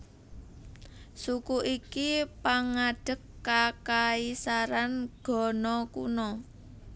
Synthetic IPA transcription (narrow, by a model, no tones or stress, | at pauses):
sukuʔikipaŋaɖ̥ə̤kːakaisaɾanɡ̥ɔ̤nɔkṵnɔ